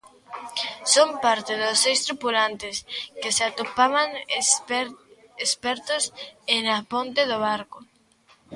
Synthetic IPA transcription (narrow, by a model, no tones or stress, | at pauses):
sompaɾt̪ɪðosːejst̪ɾupulant̪ɪskeseat̪opaβaŋ | espɛɾt̪ʊsenapont̪ɪðoβ̞aɾkʊ